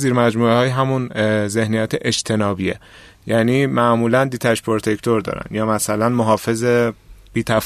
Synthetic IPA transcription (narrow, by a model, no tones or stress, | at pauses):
ziːɾmæd͡ʒmuːehɒːjɦæmunze̞hnijæt̪ʰeʔed͡ʒt̪ʰe̞nɒːbiḛ | jæːniːmæʔmuːlænd̪iːt̪ʰæʃpʰoɾt̪ʰekʰt̪ʰoɾd̪ɒ̰ːɾæ̰njɒːmæsælænmoɦɒːfe̞zeb̥iːt̪ʰæf